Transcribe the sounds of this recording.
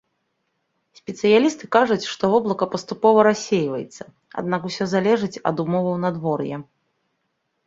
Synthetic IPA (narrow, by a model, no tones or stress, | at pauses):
sʲpʲɛt̪sɨjalʲist̪ɨkaʐut͡sʲʂt̪ɔvɔblˠɐkɐpɐst̪upɔvɐɾasʲːejvɐjɛ̰t̪sːɐ̥ | a̰d̪̚nakusʲɔzalʲɛʐɨt͡sʲɐ̰d̪umɔvɐwnad̪vɔrjɛ̰